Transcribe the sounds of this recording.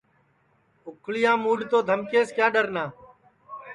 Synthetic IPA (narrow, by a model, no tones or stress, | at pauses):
ʊkʰɭɪjãːmuːɖt̪oːd̪ʱəmkeːskjaːɗəɾnaː